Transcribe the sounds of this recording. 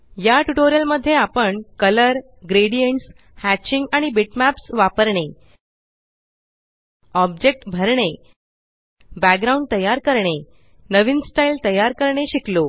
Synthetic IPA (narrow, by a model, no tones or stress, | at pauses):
jaʈuʈoɾijəlməd̪ʱːjeapəɳkələɾ | ɡɾeɽijəɳʈs | hæt͡ɕiŋɡaɽ̃ibiʈmæpsʋapəɾɳe | ɔbd͡ʑek̚ʈbʱəɾɳe | bæk̚ɡɾaũɳɖ̚t̪əjaɾkəɾɳe | nəʋiːnsʈailt̪əjːaɾkəɾɳeɕiklo